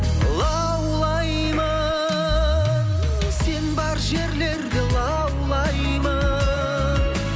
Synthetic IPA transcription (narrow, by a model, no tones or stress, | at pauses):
lˠɑ | wlˠɑj | mɑ | se̞nbɑɾʒe̞ɾle̞ɾd̪ɪlˠɑ | wlˠɑj | mɑ